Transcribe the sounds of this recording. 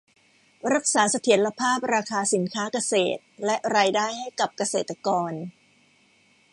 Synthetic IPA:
ɾa˦˥k̚saː˩˦sa˧t̪ʰi˩˦ənla˧pʰaː˥˩p̚ɾaː˧kʰaː˧si˩˦nkʰaː˦˥ka˧sḛː˨˩t̪̚lɛ˦˥ʔɾaː˧jdaː˥˩jha˥˩jka˨˩p̚ka˧seː˨˩t̪ːa˧kɔː˧n

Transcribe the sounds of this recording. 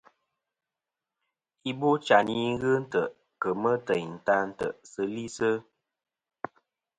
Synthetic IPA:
i˦bo˦t͡ʃa˨ni˦ŋ˦ɣɨ˦n̩˦tə˨ | kə˨mə˦tə˨jn̩˨ta˦n̩˨tə̰˨ʔsə˦li˦sə˦

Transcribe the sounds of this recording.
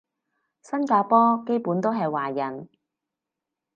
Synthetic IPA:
sɐ˥nkaː˧pɔː˥ke˥jpuː˨˥nt̪o˥wɦɐ˨jwaː˨˩jɐ˨˩n

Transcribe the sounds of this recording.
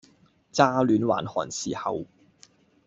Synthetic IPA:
t͡saː˥lyː˨˥nwa̰ː˨˩nhɔː˨˩nsiː˨˩hɐ̰˨w

